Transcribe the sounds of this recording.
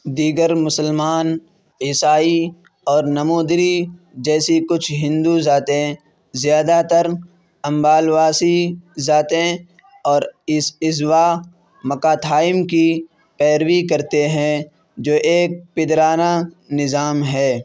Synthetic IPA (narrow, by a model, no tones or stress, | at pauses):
d̪iːɡəɾmʊsəlmaːn | ɪsaːi | ɔːɾnɐmuːd̪ɾi | d͡ʒɛːsikʊt͡ʃʰɦɪ̃nd̪uzaːt̪ẽ | zjaːd̪at̪əɾ | ɐ̃mbaːlwaːsizaːt̪ẽ | ɔːɾɪsɪzwa | mɐkaːt̪ʰaːɪmki | pɛːɾwikɐɾt̪eɦɛ̃ | d͡ʒoːʔeːk̚pɪd̪ɾaːna | nɪzaːmɦɛː